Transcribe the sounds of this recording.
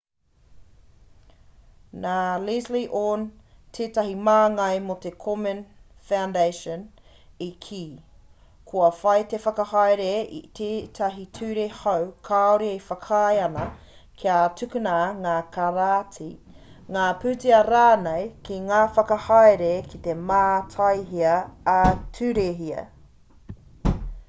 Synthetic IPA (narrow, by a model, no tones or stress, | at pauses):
naːlisliʔoːntʰeːtɐɦimaːŋɐjmot̪ekʰomənfawndejʃən | ikʰiː | kʰoɐfɐjt̪efɐkɐhajɾeḭt̪ʰeːt̪ʰɐɦitʰʉːɾehɐwkʰaoɾiejfɐkʰɐjɐnɐ | kʰiatʰʉkʉnaŋaːkʰaɾatʰi | ŋaːpʉːtiɐɾaːnejkiŋaːfɐkɐhaɑjɾekʰit̪emaːtʰɐjɦiɐː | tʰʉːɾeɦiɐ̰